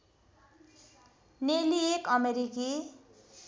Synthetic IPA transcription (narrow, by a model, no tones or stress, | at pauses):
neliekʌmeɾiki